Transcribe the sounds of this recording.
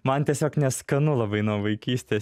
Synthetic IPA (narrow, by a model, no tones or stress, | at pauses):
mɐnt̪ʲiɛsʲoːknʲɛskɐnʊlˠɐbɐɪnuɔʋɐɪkʲiːsʲt̪ʲeː